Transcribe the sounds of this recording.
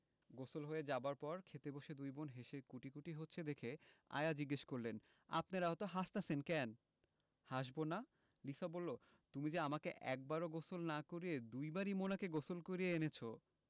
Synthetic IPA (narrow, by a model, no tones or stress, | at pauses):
ɡosolɦoeed͡ʑabaɾpɔɾkʰet̪eboʃed̪ujbonɦeʃekuʈikuʈiɦotːɕʰed̪ekʰea̰jad͡ʑiɡːeʃkoɾlen | a̰pnaɾaɦot̪oɦaʃt̪asʰenkɛn | haʃbona | lisabolːo | t̪umid͡ʑeamakeʔɛ̰k̚baɾoɡosolnakoɾied̪ujbaɾimonakeɡosolkoɾieenet͡ɕʰo